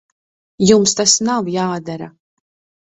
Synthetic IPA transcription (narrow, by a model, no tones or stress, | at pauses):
jumst̪asnawjaːd̪aɾa